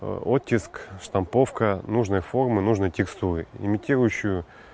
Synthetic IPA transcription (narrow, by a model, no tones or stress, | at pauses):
ot̪ʲːɪskʂt̪ɐmpo̞fkənuʐnɨjfo̞rmɨnuʐnɨjtʲɪkst̪uɾɨɪ̰mʲɪtʲiɾʊjʊɕːʊjʊ